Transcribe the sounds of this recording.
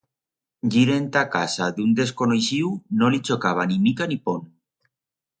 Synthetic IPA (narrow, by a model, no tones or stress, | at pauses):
ʝiɾe̞nt̪akasad̪und̪e̞s̬konojsiwnolit͡ʃokaβ̞animikanipon